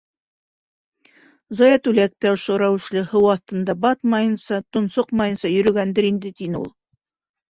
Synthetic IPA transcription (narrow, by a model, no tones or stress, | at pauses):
zɑjæt̪ʉlæk̚t̪æŏʃoɾæwɘ̆ʃlɘhɤwɑθt̪ɤ̆nd̪ɑbɑt̪mɑjɤ̆nsɑt̪ŏnsoqmɑjɤ̆nsɑjɵ̆ɾɵ̆ɡænd̪ɘɾind̪ɘt̪inɘṵlˠ